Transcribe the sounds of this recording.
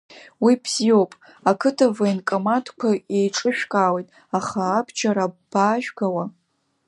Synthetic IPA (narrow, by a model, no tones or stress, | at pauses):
wibzio̞wpʼ | akʰɨtʰavainkʼomadkʷʰaejʈ͡ʂʼɨʃᶣkʼawejtʼ | aχaːbʰt͡ʃʰaɾab̥aːʒᶣɡawa